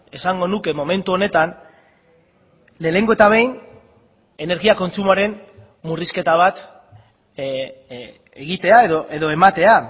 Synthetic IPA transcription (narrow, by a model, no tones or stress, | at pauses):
e̞saŋɡo̞nuke̞mo̞me̞nt̪uo̞ne̞t̪an | le̞ːle̞ŋɡo̞e̞t̪aβ̞ejn | e̞ne̞ɾɣiako̞nt͡sumoaɾe̞n | muriske̞t̪aβ̞at̪ | eɣit̪e̞aeðoʔeðo̞e̞mat̪e̞a